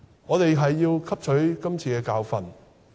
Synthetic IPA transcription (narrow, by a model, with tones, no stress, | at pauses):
ŋɔː˨˧t̪e˨jɦɐ˨jːiː˧wkʰɐ˥p̚t͡ʃʰɵ˨˥ɥkɐ˥mt͡sʰiː˨˧kɛː˧kaː˧wfɐ˨n